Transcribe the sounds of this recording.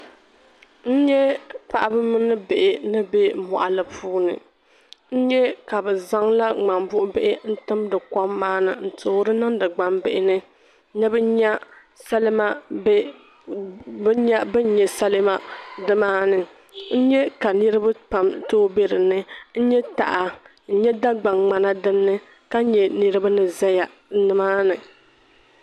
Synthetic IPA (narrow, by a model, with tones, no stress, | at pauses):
n̩˦ɲɛ˦pa˨ʔa˦bɨ˦mɨ˦nɨ˦be˨ʔɪ˨nɨ˦be˦mɔ̰˨ʔa˨lɨ˨pʰuː˦nɨ̰˨ | n̩˦ɲɛ˦ka˨bɛ˨za˦ŋla˦ŋ͡ma˨mbʊ˦ʔʊ˦be˦ʔɪ˦n̩˦tɨ˦mdɨ˨kɔ˦mːaː˦nɨ˨n̩˨tʰoː˨˦ɾɨ˦nɨ˦ŋdɨ˨ɡ͡ba˨˦mbɪ˨ʔɪ˨nɨ˦ | nɛ˦bɨ˦ɲɛ˦ | sa˦lma˦ | bɲɛ˦bɨ˦ɲɛ˨sa˦lɨ˦ma˦dɨ˦maː˦nɨ˨ | n̩˦ɲɛ˦ka˨nɨ˦ɾɨ˦bɨ˦pa˨mtoː˦be˦ɾɨ˨nɨ˦n̩˦ɲɛ˦ta̰˨ʔa˨ | n̩˦ɲɛ˦da˦ɡ͡ba˨ŋŋ͡ma˨na˦dɨ˦nːɨ˦ | ka˦ɲɛ˨nɨ˦ɾɨ˦ba˦nɨ˨za˦ja˨˦ | nɨ˦maː˦nɨ˨